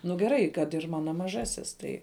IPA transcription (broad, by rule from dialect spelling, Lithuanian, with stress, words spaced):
nʊ ɡʲɛˈrɐɪ kɐt ɪr ˈmɑːnoː mɐˈʒɑːsʲɪs ˈtɐɪ